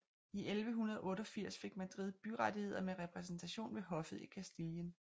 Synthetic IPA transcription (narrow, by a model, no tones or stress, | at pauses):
iʔelʋəɦunɐð̞ˠʔɔ̽ːɾɒ̽fiɐ̰sfe̝ɡ̥̚mæd̥ʁið̩ˠb̥yʁad̥ihe̝ð̞̰ˠɐmeʁɛpʰʁɛs̬n̩t͡sʰæɕo̝̰ːnʋe̝ɦɒ̽fð̩ˠikʰæsd̥iljən